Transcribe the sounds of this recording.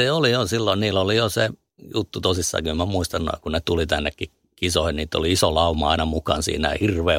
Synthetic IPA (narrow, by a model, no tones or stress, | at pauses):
eolijosilːonniːlolijose | jut̪ːut̪osisːɑ̰ːkymæmuist̪ɑnno̰ikkunet̪ulit̪ænːekːi | kisohenniːt̪ːo̰liisolɑumɑɑinɑmukɑ̰nsḭːnæ̰ɑ̰hirʋeː